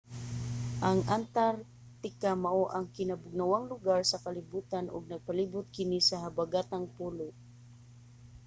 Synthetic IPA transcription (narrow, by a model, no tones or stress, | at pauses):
ʔaŋʔant̪aɾ | t̪ɪkamaʔoʔɐŋkɪnabʊɡ̚nawaŋlʊɡaɹsɐkɐlɪbuːt̪anʊ̰ɡ̚nɐɡ̚palibʊt̪̚kɪnisɐɦabaɡat̪aŋpuːlʊ